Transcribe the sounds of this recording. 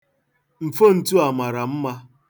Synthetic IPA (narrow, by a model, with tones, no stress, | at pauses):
m̩˨fo˦n̩˨tu˦a˨ma˨ɾa˨m̩˦ma˦